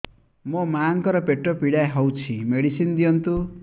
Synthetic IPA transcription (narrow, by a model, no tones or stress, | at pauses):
mʌmaŋkʌɾʌpeʈrʌpiɽajɦʌwt͡sʰimeɽisind̪iʌnt̪u